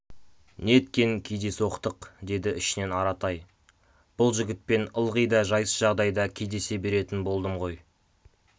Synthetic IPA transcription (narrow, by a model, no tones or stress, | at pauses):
net̪̚kʲe̞nɪŋkʲʰejd̪e̞swoqt̪əqd̪e̞d̪ɪʔɪʃɪne̞nɑɾɑt̪ɑj | b̥ʊlˠʒɪɡʲɪt̪̚pe̞nəlˠʁəjd̪ɑʒɑjəsʒ̥ɑʁd̪ɑjd̪ɑkʲʰe̞jd̪e̞se̞be̞ɾe̞t̪ɪnbo̞lˠd̪əmʁo̞j